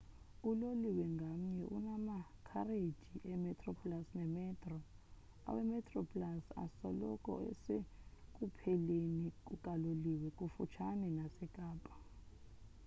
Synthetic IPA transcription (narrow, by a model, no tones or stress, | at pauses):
uloliwɛŋɡʱam̩ɲɛʔṵnamakʰared̥ʒ̥ʱiʔɛmɛtʰʼrɔpʼlasnɛmɛtʰʼrɔ | a̰wɛmɛtʰʼrɔpʼlasa̰sɔlɔkʼɔ̰ɛ̰sek̬ʼupʰɛlenik̬ʼukʼaloliwɛkʼufṵt͡ʃʰanɛnasɛkʼaːpʼḁ